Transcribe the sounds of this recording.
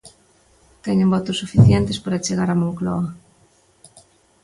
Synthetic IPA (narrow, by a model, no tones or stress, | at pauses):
t̪ɛɲembɔt̪osːufiθjɛnt̪espaɾat͡ʃeɣaɾamolklɔ̰ɐ